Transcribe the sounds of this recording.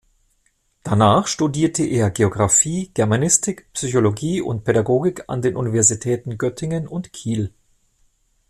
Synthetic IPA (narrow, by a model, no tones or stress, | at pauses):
d̥anaːχʃtudiːɐtʰəʔeːɐɡeoɡʁafiːɡ̥ɛɐmanɪstɪkpsyçoloɡiːʔʊ̰nt̚pʰedaɡoːɡɪkʰa̰ndeːnʔunivɛɐzitʰɛːtn̩ɡœtʰɪŋənʊntkʰiːl